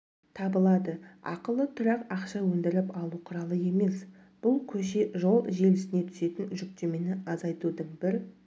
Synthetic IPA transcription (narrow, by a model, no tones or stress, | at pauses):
t̪ʰɑbəlˠɑd̪əɑ̰qəlˠət̪ʰʊɾɑqɑqʃɑwɵnd̪ɪɾɪpɑlˠuqʰʊɾɑlˠəje̞me̞s | b̥ʊlˠkʲʰɵʃe̞ʒo̞lˠʒe̞lɪsɪne̞t̪ʰʏ̥se̞t̪ɪnʒʏk̚t̪e̞me̞nɪɑzɑjt̪ud̪əɴbɪɾ